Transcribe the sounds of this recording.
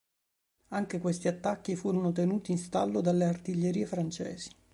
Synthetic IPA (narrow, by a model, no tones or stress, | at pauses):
aŋkekwest̪iat̪ːakːifuːɾonot̪̬enuːt̪iːnst̪alːod̪alːeart̪iʎːeɾiːefɾant͡ʃɛ̰ːz̥i̥